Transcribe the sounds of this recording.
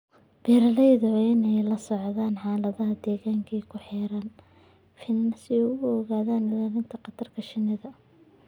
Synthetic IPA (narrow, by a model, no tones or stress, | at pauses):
b̥ɛːɾɐlɛjðɐɪnɛjlɐsɔʕðaːnħɑːlɐðɐɦɐd̪ɛːɣaːŋkʰɛkʰʊħɛːɾaːn | fɪnːɐsɪɛjʊɔɣaːðaːnɪlaːɾɪnt̪ʰɐqɑt̪ʰɐrkʰɐʃɪnɪðɐ